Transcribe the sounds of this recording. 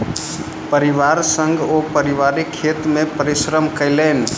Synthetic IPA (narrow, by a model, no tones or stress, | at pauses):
pəɾɪʋaːɾsə̃ŋɡopəɾɪʋaɾikʰet̪mẽpəɾɪsɾəmkəɪleːn̆